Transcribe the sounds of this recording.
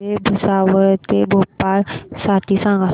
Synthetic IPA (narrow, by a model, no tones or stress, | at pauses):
ebʱəsaʋəɾt̪ebʱopːaɾsaʈ̪isãŋɡa